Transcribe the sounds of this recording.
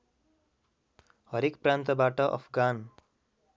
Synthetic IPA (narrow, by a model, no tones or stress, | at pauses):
hʌɾekprant̪ʌbaʈʌʔʌ̰pʰɡan